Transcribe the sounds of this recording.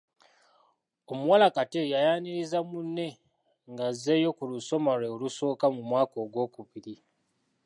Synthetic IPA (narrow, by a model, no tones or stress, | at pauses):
omuwalakatejajaːniɾizamunːe̞ | ŋɡazːe̞jo̞kuluso̞maɾeoluso̞ːkamumwaːko̞ːɡwo̞ːkuβiɾi